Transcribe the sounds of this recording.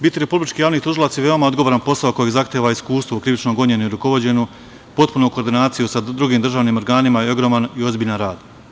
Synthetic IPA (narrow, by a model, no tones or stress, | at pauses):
bit̪ːiɾepublit͡ʃkijaːʋnit̪uʒilˠat̪sjeʋe̞omaod̪ɡo̞ʋoɾanpo̞saoko̞jezaxt̪eʋaiskuːst̪ʋokɾiʋit͡ʃnoɡo̞ɲe̞noiɾuko̞ʋo̞d͡ʑe̞no | po̞t̪punoko̞ːɾd̪inaːt̪sijusad̪ɾuɡiːmd̪r̩ʒaːʋnimoɾɡaːnimajeo̞ɡɾo̞ːmanio̞zbiʎanɾaːd̪